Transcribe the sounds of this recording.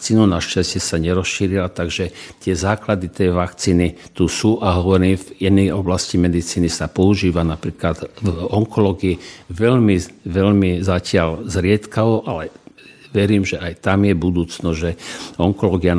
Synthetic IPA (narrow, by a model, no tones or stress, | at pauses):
kt͡siːnunaʃcascɛsaɲɛɾɔsʃiɾilat̪aɡʒɛt̪ɪɛzaːklad̪it̪ɛjʋakt͡siːnit̪usuːʔaɦɔʋɔɾimvɛnɛjɔblascimɛd̪it͡siːnisapɔuʒiːʋanapɾiːklad̪vɔŋkɔlɔːɡiiʋɛʎmiʋɛʎmizacɪalzɾɪɛt̪kaʋɔʔalɛ | ʋɛɾiːmʒɛʔajt̪amjɛbud̪uːt͡snɔzʒɛɔŋkɔlɔːɡia